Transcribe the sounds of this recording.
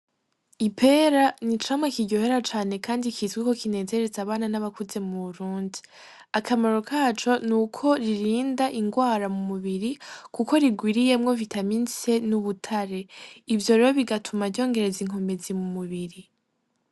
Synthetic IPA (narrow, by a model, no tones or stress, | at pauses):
ipʰe̞ːɾanit͡ʃamwekiɟo̞he̞ɾat͡ʃaːne̞kʰaːndikʰizɡiko̞kine̞ːze̞ɾezaβaːnanaβakuze̞muβuɾuːndi | akʰamaɾo̞kʰaːt͡ʃo̞nukʰo̞ɾiɾiːndaʔiŋɡwaːɾamumuβiɾikuko̞ɾiɡwiːɾije̞mŋo̞vitʰaminsenuβutʰaɾe̞ivjo̞ɾeɾo̞βiɡatʰumaɾɟo̞ːŋɡe̞ɾe̞ziŋ̥o̞ːmbe̞zimumuβiɾi